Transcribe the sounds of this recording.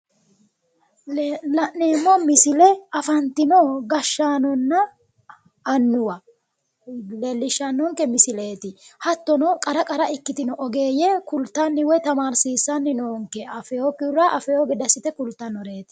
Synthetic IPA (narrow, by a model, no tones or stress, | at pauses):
lɐneːmːɔmɪsɪlɛɐfɐnt̪ɪnɔɡɐʃːaːnɔnːɐː | nːʊwɐ | lelːɪʃːanɔːŋkɛmɪsɪleːt̪ɪhɐt̪ːɔnɔkʼɐɾɐkʼɐɾɐɪkːɪt̪ɪnɔʔɔɡe̞ːjɛkʊlt̪ːanːɪwɔjt̪ɐmaːɾsiːsːɐnːɪnoːŋkɛɐfɛjɔkːɪʊɾɐʔɐfɛjɔɡɪd̪ɐsːɪt̪ɛkʊlt̪ːɐnɔɾeːt̪ɪ̥